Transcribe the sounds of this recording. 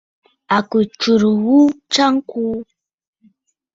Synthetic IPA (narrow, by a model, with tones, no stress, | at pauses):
a˨ku˨t͡ʃu˨ɾwu˦t͡ʃa˦ŋ˦ku˦